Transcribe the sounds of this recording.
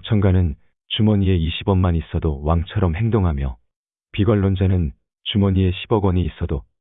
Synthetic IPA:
t͡ɕʰʌŋɡanɯn | t͡ɕumʌɲie̞iɕʰibʌnmanis͈ʌdowaŋt͡ɕʰʌɾʌmhe̞ŋdoŋɦamjʌ | piɡʌɭːond͡ʑanɯn | t͡ɕumʌɲie̞ɕʰibʌɡwʌɲiːs͈ʌdo

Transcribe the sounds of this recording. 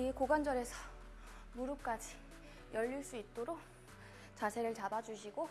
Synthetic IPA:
ikoɡand͡ʑʌɾe̞sʰʌ | muɾuk͈ad͡ʑi | jʌʎːiɭs͈uit̚t͈oɾok̚ | t͡ɕasʰe̞ɾɯɭt͡ɕabad͡ʑuɕ̬ʰiɡo

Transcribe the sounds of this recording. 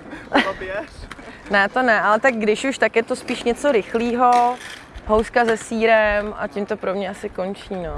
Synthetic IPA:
ɛnɛt̪o̞nɛʔalɛt̪aɡ̚ɡdɪʃuʃt̪akjɛt̪o̞spiːʃɲɛt͡so̞ɾɪxliːɦo | ɦowskazɛsiːɾɛmʔa̰cɪmt̪o̞pɾo̞mɲɛasɪko̞nt͡ʃiːno

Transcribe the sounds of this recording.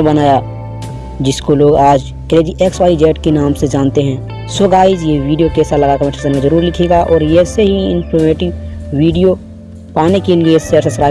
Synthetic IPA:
bɐnaːja | d͡ʒɪskoloːɡaːd͡ʒ | kɛːɾed͡ʒiʔeːkswaːid͡ʒɛːʈkenaːmsed͡ʒaːnt̪eɦɛ̃ː | sʊɡaːɪd͡ʒjeʋiːɖijokeːsalɐɡakɐmeʃɾsənmẽzɐɾuːɾlɪkʰeːɡaʔɔːɾjeseɦiɪ̃npʰɔɾmeːʈɪʋʋiːɖijo | paːnekelieseɾsesɾaː

